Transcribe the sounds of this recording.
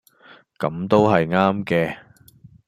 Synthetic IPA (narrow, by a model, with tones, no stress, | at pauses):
kɐ˨˥mt̪o˥wɦɐ˨jŋaː˥mkɛː˧